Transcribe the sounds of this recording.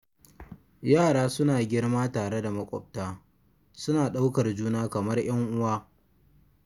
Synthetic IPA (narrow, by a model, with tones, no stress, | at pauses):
jaː˦˨ɽaː˦sʊ˦naː˨ɡʲɪ˦rmaː˦taː˨ɽe˦da˨mɐ˦kʷʼɔ̰˨b̚taː˦ | sʊ˦naː˨ɗa˦wkɐ˨rd͡ʒuː˦naː˦kɐ˨mɐ˦rj̰ɐ˦ŋʔʊ˦waː˦